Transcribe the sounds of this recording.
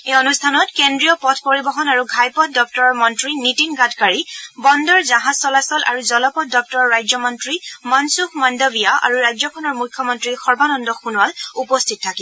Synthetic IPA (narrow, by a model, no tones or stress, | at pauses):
ejɔnustʰanɔtkendɹijɔpɔtʰpoɹibɔxɔnaɹuɡʱajpɔt̚ʰdɔk̚tɔɹɔɹmɔntɹinitinɡatkaɹibɔndɔɹzaɦazsɔlasɔlʔa̰ɹuzɔlɔpɔt̚dɔk̚tɔɹɔɹːajzɔmɔntɹimansuxmɔndɔbijaʔa̰ɹuɹajzɔkʰɔnɔɹmujkʰjɔmɔntɹixɔɹbanɔndɔxunwalupɔstʰit̚tʰːaki